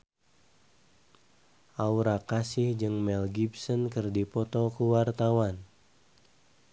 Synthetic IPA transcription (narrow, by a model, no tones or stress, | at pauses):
ʔauɾakasɪhd͡ʒɨŋmɛlɡibsɔnkɨrdipɔt̪ɔkəwart̪awan